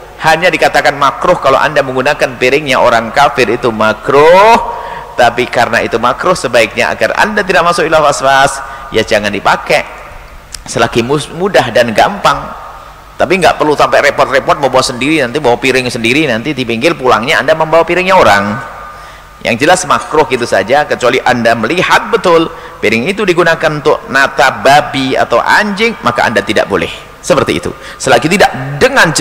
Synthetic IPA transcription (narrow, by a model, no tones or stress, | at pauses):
haɲadikat̪akanmakɾʊhkalo̰ʔa̰ndaməŋɡunakanpiɾɪŋɲaʔoɾaŋkafɪɾit̪umakɾʊht̪apikaɾənait̪umakɾʊhsəbaɪk̚ɲa̰a̰ɡa̰ra̰ndat̪idaʔmasʊkilahfasfasjad͡ʒaŋandipakɛ | səlaɡimumudaɦdanɡaəmpaŋ | t̪apiŋɡa̰ʔpərlusampaɾepɔrt̪̚repɔrt̪̚məmbawasəndiɾinant̪ibawapiɾɪŋsəndiɾinant̪idipiŋɡɪlpulaŋɲaandaməmbawapiɾɪŋɲaoɾaŋ | ja̰ŋd͡ʒəlasmakɾʊhɡit̪usa̰d͡ʒakət͡ʃualiʔandaməlihat̪̚bət̪ʊl | piɾɪŋit̪udiɡunakanunt̪ʊʔnat̪ababia̰t̪a̰wʔa̰ɲd͡ʒɪŋmaka̰a̰ndat̪ida̰ʔbo̰lɛ̰h | səpərt̪ḭːt̪ṵ | səlaɡit̪idaʔ̚dəŋan